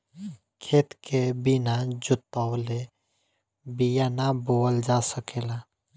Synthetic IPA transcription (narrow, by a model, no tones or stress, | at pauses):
kʰeːt̪kʰebinad͡ʒʊt̪awle | bijanaboːəld͡ʒasəkeːla